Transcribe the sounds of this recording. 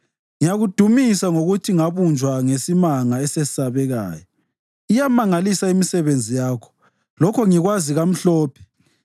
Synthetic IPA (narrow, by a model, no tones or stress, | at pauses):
ŋijaɣud̥ʱumisaŋoɣutʰiŋaβund͡ʒʱwaŋesimaŋaɛseisaβɛɣa̰ːjɔ | ijamaŋalisaimisɛβend͡zʱijaːkʰɔ̥ | lɔkʰɔŋiɣwaziɣam̩ɬɔːpʰɛ̥